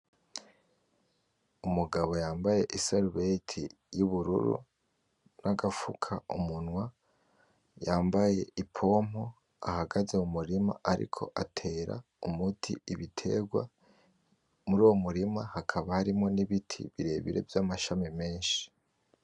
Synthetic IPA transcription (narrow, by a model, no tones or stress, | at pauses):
umuɡaβo̞jaːmbaje̞ʔisaɾuβetʰḭ | juβuɾṵɾṵ | naɡafukʰaumunwa | jaːmbaje̞̰ʔipʰo̞mo | a̰haɡazeumuɾima̰ʔaɾḭkʰo̞̰ʔatʰe̞ːɾa̰ | umutʰḭiβitʰe̞̰ɡwa̰ | muɾuːwomuɾimahakʰaβahaɾimŋo̞niβitʰḭβiɾe̞ːβḭɾe̞̰vjamaʃamime̞ːnʃi̥